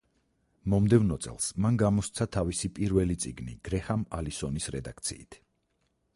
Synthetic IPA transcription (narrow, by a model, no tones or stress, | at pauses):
mɔmd̪ɛvnɔt̪sʼɛ̰lˠsmanɡamɔst̪sʰat̪ʰavisipʼiɾvɛlit̪sʼiɡnḭɡ̥ɾɛhamalisɔnisɾɛd̪ak̚ʰt̪sʰḭːt̪ʰ